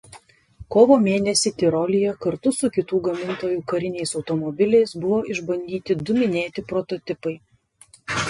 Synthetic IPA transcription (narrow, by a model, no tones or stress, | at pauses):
koːʋoːmʲeːnʲɛsʲit̪ʲɪɾɔlʲɪjɛkɐɾt̪ʊsʊkʲɪt̪uːɡɐmʲɪnt̪oːjuːkɐɾʲɪnʲɛɪsɒʊt̪ɔmɔbʲɪlʲɛɪsbʊʋoːɪʒbɐnʲd̪ʲiːt̪ʲɪd̪ʊmʲɪnʲeːt̪ʲɪpɾɔt̪ɔt̪ʲɪpɐɪ